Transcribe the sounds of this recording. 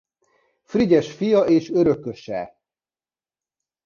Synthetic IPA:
friɟɛʃfijɒʔeːʃøɾø̞kːøʃɛ̰

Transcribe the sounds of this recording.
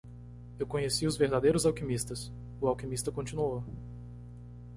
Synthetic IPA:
ewkõɲesiʊzveɾd̪ad̪ejɾʊzawkimist̪ɐs | ʊawkimist̪ɐkõnt͡ʃĩnuo

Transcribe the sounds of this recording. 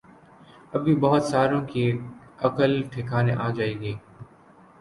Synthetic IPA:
əbʱiːbəɦʊt̪saːɾõkiɐkəlʈʰɪkʰaːneʔaːd͡ʒaːeːɡeː

